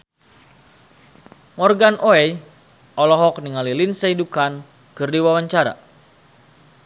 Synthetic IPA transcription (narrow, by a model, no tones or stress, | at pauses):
mɔrɡanʔoɛj | ʔɔlɔɦɔk̚niŋalilinsaidukan | kɨrdiwawaɲt͡ʃaɾa̰